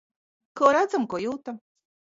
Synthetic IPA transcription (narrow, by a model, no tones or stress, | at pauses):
kɔːɾad̪zamkojuːt̪am